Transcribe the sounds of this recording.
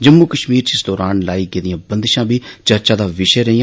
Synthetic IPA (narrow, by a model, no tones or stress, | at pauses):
d͡ʒəmːukəʃmiːɾt͡ʃɪsd̪ɔːɾaːnlaːiːɡeːd̪ɪjãːbə̃nd̪ʃãːbʱiːt͡ʃəɾt͡ʃaːd̪aːʋɪʃəɾəɦijãː